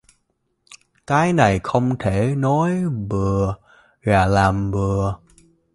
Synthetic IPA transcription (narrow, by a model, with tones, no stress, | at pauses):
kaː˨˦jna˨˩jxə˧wŋ͡mt̪ʰe˧˩nɔ˨˦jvɨ˨˩ə | ɣaː˨˩laː˨˩mvɨ˨˩ə